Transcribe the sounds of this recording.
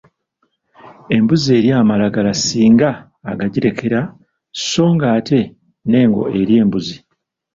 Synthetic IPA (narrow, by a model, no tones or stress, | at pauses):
e̞mbuzie̞ːɾjaːmalaɡalasiːŋɡaː | ɡaɟiɾe̞kʰe̞ɾa | so̞ːŋɡaːte̞ | ne̞ːŋɡo̞̰e̞ɾje̞ːmbuzi